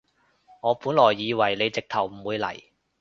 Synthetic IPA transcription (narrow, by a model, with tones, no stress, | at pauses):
ŋɔː˨˧puː˨˥nlɔː˨˩jːiː˨˧wɐ˨˩jle˨˧jt͡sɪ˨k̚t̪ʰɐ˨˩wm̩˨˩wuː˨˧jlɐ̰˨˩j